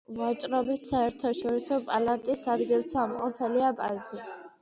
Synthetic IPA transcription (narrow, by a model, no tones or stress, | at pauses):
vat͡ʃʼɾɔbisaɛɾt̪ʰaʃɔɾisɔpʼalat̪ʼisad̪ɡilˠsamqʼɔpʰɛliapʼazi